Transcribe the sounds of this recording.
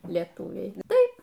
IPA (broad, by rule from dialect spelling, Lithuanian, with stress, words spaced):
lʲiɛˈtuːʋʲɛɪ ˈtɐɪp